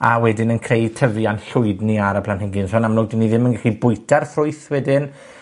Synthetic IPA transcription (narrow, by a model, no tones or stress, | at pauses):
awɛdɪnənkʰrejtʰəvianɬʊɨdniaɾəpʰlˠanhɪŋɡɪnsɔnamloːɡ̚dinːiðɪmənɡaχibʊɨtʰarfrʊɨθwɛdɪn